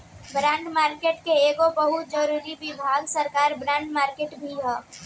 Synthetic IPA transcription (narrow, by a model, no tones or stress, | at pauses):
bɾãːɳɖmaːɾkeːʈkeeːɡobəɦʊt̪̚d͡ʒəɾuːɾibɪbʱaːɡsəɾkaːɾbɾãːɳɖmaːɾkeːʈbʱiɦɛː